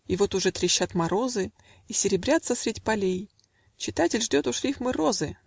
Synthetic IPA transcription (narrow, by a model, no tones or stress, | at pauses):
ivo̞t̪ʊʐɛt̪ɾʲɪɕːat̪mɐɾo̞zɨ | isʲɪɾʲɪbɾʲat̪səsɾʲɪdʲipɐlʲej | t͡ɕɪt̪atʲɪlʲʐdʲot̪ʊʂlʲifmɨɾo̞zɨ